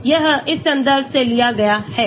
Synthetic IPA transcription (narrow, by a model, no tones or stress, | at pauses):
jəɦɪsə̃nd̪əɾseːlɪjaːɡɐjaːhɛː